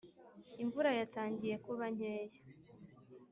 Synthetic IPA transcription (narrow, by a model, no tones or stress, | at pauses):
iɱvuɾajataːɲɟije̞kuβaɲ̥eːjḁ